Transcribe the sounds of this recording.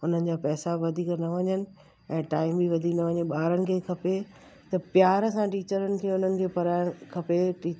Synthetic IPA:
ʊn̤ənɪ̆d͡ʑaːpɛːsaʋɐd̪ʱiːknɐʋɐɲənɪ̆ | ɛ̃ːʈaːɪmbiʋɐd̪ʱiknɐʋɐɲeɓaːɾənɪ̆kʰeːkʰɐpe | t̪ɐpjaːɾsãʈiːt͡ɕəɾənɪ̆kʰeːʊn̤ənɪ̆kʰeːpɐɾaːɪɽ̃kʰɐpeʈiː

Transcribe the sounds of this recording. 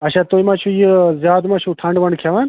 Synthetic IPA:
ɐt͡ʃʰaːt̪oːimãːt͡ʃʰũjizjaːd̪mãːt͡ʃʰũʈʰɐɳɖʋɐɳɖkʰjaʋaːn

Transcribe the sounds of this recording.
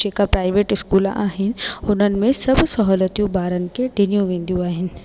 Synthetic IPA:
d͡ʒeːkapɾaːɪʋeːʈɪskuːla̰ːɦɪnɪ̆ʊn̤ənɪ̆mẽsɐbsɐɦɔːlət̪ijũbaːɾənɪ̆keɖʱɪnijũʋẽːn̆d̪ijũaːɦɪnɪ̆

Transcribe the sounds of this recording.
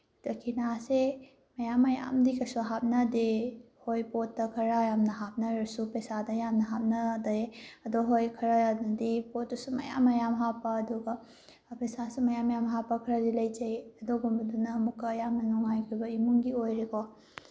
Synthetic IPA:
dɐkʰinase | mɐjamɐja̰mdikɐsoɦap̚nɐde | hojpotːɐkʰɐɾajamnɐɦap̚nɐɾɐsupesadɐjamnɐɦap̚nɐdɐjɐdɔɦojkʰɐɾadipotːusumɐ̰ja̰mɐjamɦapɐːdɔɡɐ | pesasimɐjamɐjamɦapɐkʰɐɾɐdilɐjd͡ʒɐjɐdɔɡumbɐdunɐːmukːɐjamnɐnɔŋajkʰojbɐimuŋɡiojɾekʰɔ

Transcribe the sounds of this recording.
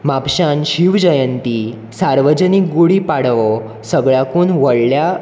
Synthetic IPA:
mapɕanɕiʋd͡ʑəjənt̪i | saɾʋəd͡ʑənik̚ɡuɽipaɽʋɔ | səɡɭjakuːnʋəɽlja

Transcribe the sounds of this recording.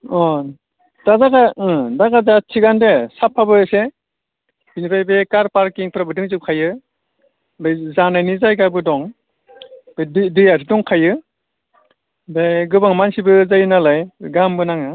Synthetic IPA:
ɔ | d̥azaɡaɯdaɡazatʰiɡandesapʰːabɯse | binipʰajbekaɾpaɾkiŋpɾabɯdɯŋzɯp̚kʰajɯ | bejzanajnizajkabɯdɔŋ | b̥ddɯjas̬ʰidɔŋkʰajɯ | bajɡɯbaŋmansibɯzajɯnalajɡambɯnaŋɯ

